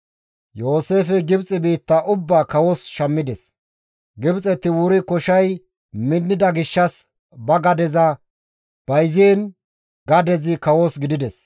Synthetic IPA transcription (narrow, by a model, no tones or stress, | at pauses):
jo̞ːse̞ːfɛɡɪbt͡sʼɪbiːt̪ːɐʔʊbːaːkɐwosʃɐmːɪd̪ɛs | ɡɪbt͡sʼɛt̪ːɪwʊɾɪkɔʃɐj | mɪnːɪd̪ɐɡɪʃːɐs | bɐɡɐd̪ɛzɐ | b̥ɐjziːn | ɡɐd̪ɛzɪkɐwosɡɪd̪ɪd̪ɛs